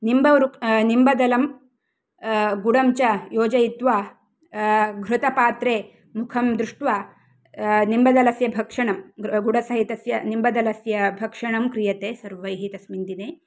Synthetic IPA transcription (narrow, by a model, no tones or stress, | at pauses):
nimbɐʋɐɾunimbɐd̪ɐlɐm | ɡuɽɐmt͡ʃɐjoːd͡ʒɐjit̪ʋaː | ɡʱɾut̪ɐpaːt̪ɾeː | mukʰɐmd̪ɾuʂʈʋaː | nimbɐd̪ɐlɐsjɐbʱɐkʂɐɳɐmɡuɽɐsɐɦit̪ɐsjɐnimbɐd̪ɐlɐsjɐbʱɐkʂɐɳɐmkɾijɐt̪eːsɐɾʋɐjɦit̪ɐsmind̪ineː